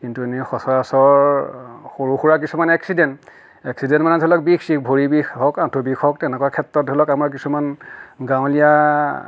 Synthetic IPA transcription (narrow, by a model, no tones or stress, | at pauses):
kintuenixɔsɔɹasɔɹ | xoɹuxuɹak̬isumanɛksidɛnt | ɛksidɛntmanɛdʱɔlɔk̚biksikbʱoɹibixhɔkãtʰubixʰɔktɛnɛkɔakʰɛtɹɔt̚dʱɔlɔkamaɹk̬isumanɡãw̃lija